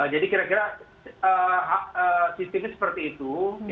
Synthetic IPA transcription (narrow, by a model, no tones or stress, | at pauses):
əd͡ʒadikiɾakiɾa | əɦaʔəsit̪imɪsə̥pərt̪iːt̪u